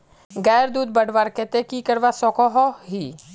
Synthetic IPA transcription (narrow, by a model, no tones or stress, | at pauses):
ɡɛːɾd̪uːd̪̚bəɖʋaɾket̪ekikəɾʋasɔkɔɦɔɦi